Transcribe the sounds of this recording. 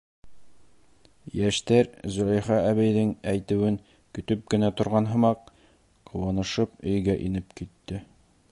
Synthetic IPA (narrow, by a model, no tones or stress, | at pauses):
jæʃt̪æɾzɵ̆læjχɑæβæjðɘŋæjt̪ɘ̆wɘŋ | kɵ̆t̪ɵp̚ɡɘ̆næt̪ŏɾʁɑnɦɤ̆mɑq | qŭwɑnɤ̆ʃɤp̚ɵ̆jɡæʔinɘpkit̪ːɘ